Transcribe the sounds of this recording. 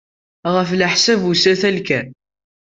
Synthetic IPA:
ʁəfləħsævusæθælkæ

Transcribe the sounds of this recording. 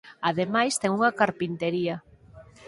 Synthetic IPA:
aðemajst̪ɛŋuŋɐkaɾpint̪eɾiɐ

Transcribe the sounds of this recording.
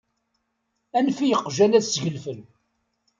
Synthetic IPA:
ænfijəqːʒænæsʝəlfəl

